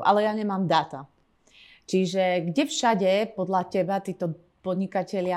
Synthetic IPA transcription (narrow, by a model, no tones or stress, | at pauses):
ʔa̰lɛjaɲɛmaːmd̪aːt̪a | t͡ʃiʒɛɡɟɛfʃaɟɛpɔd̪lacɛbat̪iːt̪ɔ | pɔd̪ɲikacɛlɪa